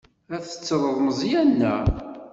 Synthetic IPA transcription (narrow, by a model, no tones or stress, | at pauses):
æθə̥t͡sːəɾˤəðˤməzˤijænːæ